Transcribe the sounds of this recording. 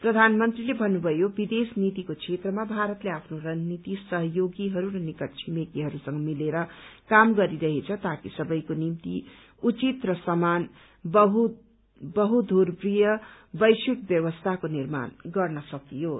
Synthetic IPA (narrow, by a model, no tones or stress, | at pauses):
prʌd̪ʱanmʌnt̪rilebʱʌnːubʱʌjobid̪esnit̪ikot͡sʰet̪rʌmabʱaɾʌt̪leapʰnorʌnnit̪isʌɦʌjoɡiɦʌɾuɾʌnikʌʈt͡sʰimet̪iɦʌɾusʌŋɡʌmileɾʌkamɡʌɾiɾʌɦet͡sʰʌt̪akisʌbʌjkonimt̪i | ut͡sit̪rʌsʌman | bʌɦu | bʌɦud̪ʱurprijʌbʌjsikbjʌwʌst̪ʰakonirma̰nɡʌrnʌsʌkijo